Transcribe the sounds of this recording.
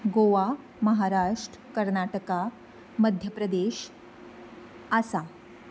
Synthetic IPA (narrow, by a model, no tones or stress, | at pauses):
ɡoʋa | məɦaɾaʂʈɾəkəɾnaʈəka | məd̪ʱjəpɾəd̪eɕ | asa